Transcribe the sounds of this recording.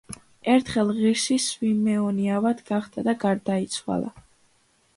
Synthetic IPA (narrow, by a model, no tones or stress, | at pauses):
ɛɾt̪ʰχɛlˠʁiɾʃiswimɛɔniavad̪ɡaχd̪̥ad̪aɡaɾd̪ait̪sʰwa̰lˠa̰